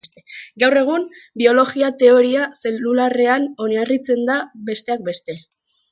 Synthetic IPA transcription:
t̪eɡawre̞ɣ̞unbio̞lo̞ɣiat̪e̞o̞ɾiase̞lulare̞ano̞niarit͡se̞nd̪abe̞st̪e̞ak̚be̞st̪e̞

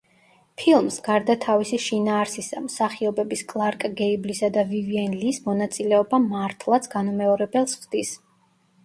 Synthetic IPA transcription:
pʰilˠmsɡaɾd̪at̪ʰavisiʃinaːɾsisamsaχiɔbɛbiskʼlˠaɾkʼɡɛiblisad̪aviviɛnlismɔnat̪sʼilɛɔbamaɾt̪ʰlˠat̪sʰɡanumɛɔɾɛbɛlˠsχd̪̥is

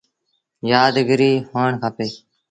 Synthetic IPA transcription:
jaːd̪ɡəɾiːhoːɳkʰaːpeː

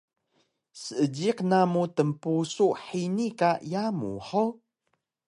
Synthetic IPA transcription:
səəd͡ʒiqnamutəmpusuħinikajamṵħəw

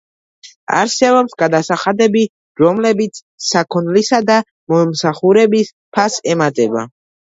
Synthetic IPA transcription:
a̰ɾsɛbɔpsɡad̪asaχad̪ɛbi | ɾɔmlɛbit̪sʰ | sakʰunlisad̪a | mɔmsaχuɾɛbis | pʰasɛmat̪ʼɛba̰

